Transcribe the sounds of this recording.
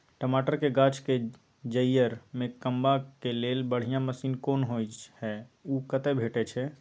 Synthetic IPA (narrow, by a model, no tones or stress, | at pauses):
ʈəmaʈəɾkeɡat͡ʃke | d͡ʒəjːəɾmekəmbakelelbəɽ̤ijãməsinkonɦojt͡ʃhɛukət̪ɛbʱeʈɛt͡ʃʰɛ